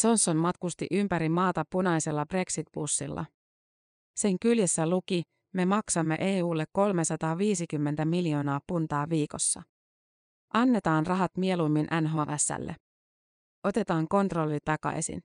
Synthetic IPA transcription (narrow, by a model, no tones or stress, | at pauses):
so̞nsːonmɑt̪kust̪ḭʔympæɾimɑːt̪ɑpunɑjse̞lːɑb̥re̞ksit̪̚b̥usːilːʔɑ̰ | se̞ŋkyljesːæluki | me̞mɑksɑmːe̞̰ʔe̞ːuːlːe̞kːo̞lme̞sɑt̪ɑːʋiːsikymːe̞nt̪æmiljo̞ːnɑːpunt̪ɑːʋiːko̞sːɑ̰ | ʔɑnːe̞t̪ɑːnrɑɦɑt̪mie̞lumːinʔænɦoːʋæsːæ̰lːʔe | o̞t̪e̞t̪ɑːŋko̞nt̪ro̞lːit̪ɑkɑ̰jsḭn